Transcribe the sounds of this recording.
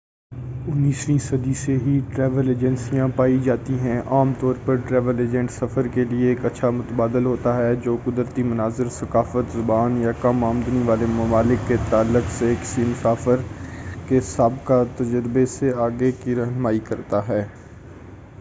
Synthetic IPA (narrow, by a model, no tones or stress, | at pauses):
ʊnːiːsɾĩsɐd̪iseɦiʈɾɛːʋəleːd͡ʒɛ̃nsijãpaːid͡ʒaːt̪iɦɛ̃ʔaːmt̪ɔːɾpɐɾʈɾɛːʋəleːd͡ʒɛ̃ɳʈsɐfəɾkelieːkɐtːʃʰamʊt̪əbaːd̪əlɦoːt̪aɦɛd͡ʒoːkʊd̪ɾt̪imʊnaːzɪɾsɐkaːfət̪zʊbaːnjakamaːmd̪niʋaːlemɐmaːlɪkːet̪aːlːʊksekɪ̥simʊsaːfəɾkesaːbkat̪ɐd͡ʒəɾbeseaːɡekiɾɐɦnmaːikɐɾt̪aɦɛː